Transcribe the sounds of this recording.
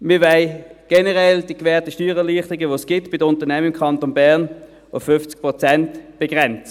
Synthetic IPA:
mɪvɛɪɡ̥ɛnəʁɛld̥iəkvɛːɐtəʃtyːʁɛliːχtʁiɡəʋoːsɡ̥ɪtb̥ɪdəʊntənɛməɪmkʰɑntonbæːɐn | ʊfːʏft͡sk̚pʁot͡sɛntb̥eɡ̥ʁɛnt͡sə

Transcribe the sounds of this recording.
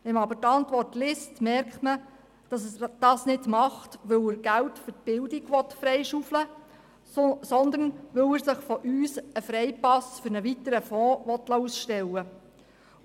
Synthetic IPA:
ʋɛmɑbəɾtɑntʋɔrtlɪstmɛrktmə | d̥ɑsd̥ɑːsnɪdmɑχtʋɵwəɾɡ̥æwtfɵrtb̥ɪldiɡʋɔt̪fɾɛjʃuflə | sɔnd̪ənʋɵwəɾsəχfɔʔyːsəfɾɛjpɑsfʏɾnəʋit̪əɾəfɔːʋɔt̪lɑusʃtɛlːə

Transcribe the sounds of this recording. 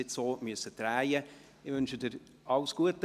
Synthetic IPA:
ɪtsoːmyəsətɾæːjə | ɪvʏnʃədɪɾ | ʔɑʊsɡ̥uət

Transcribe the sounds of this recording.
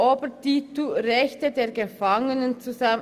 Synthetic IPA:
oːbətituʁɛçtədeːɐɡəfaŋənənt͡suza

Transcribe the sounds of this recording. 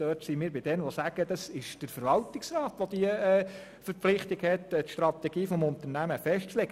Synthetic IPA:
øːrtsimiːɾbɪd̥̪ɛnʋɔsæɡ̥əd̥̪ɑsɪʃd̥əɾfəɾʋɑlt̪ɪksrɑːt̪ʋɔd̪iəɛː | fəɾpflɪχt̪ɪɡhɛt̪t̪ʃtrɑt̪ɛɡ̥iːfɔmʊnt̪ərnæməfɛʃtt͡slɛɡ̥

